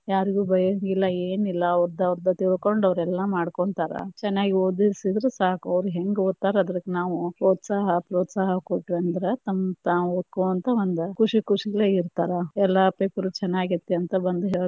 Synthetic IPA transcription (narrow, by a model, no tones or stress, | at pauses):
jaːɾiɡuːbɐjɐŋɡilːɐeːnilːɐːʋɾid̪ɐʋɾd̪ɐt̪iɭko̞ɳɖɐʋɾɛlːɐmaːɽkoɳt̪aːɾɐ̰t͡ʃɛnːaːɡioːd̪isid̪ɾesaːkuɐʋɾuɦeŋɡoːd̪t̪ːaːɾɐd̪ɐɾɐkːenaːʋupɾoːt̪saːɦɐpɾɔːt̪saːɦɐkoʈːɾeɐnd̪ɾet̪ɐmːt̪aːʋuoːd̪̚koːʋɐnt̪ɐond̪ukuʂikuʂiɡɐɭeːiɾt̪aːɾɐɛlːɐpeːpɐɾut͡ʃɛnːaːɡit̪ːeɐnt̪ɐbɐnd̪uɦeːɭ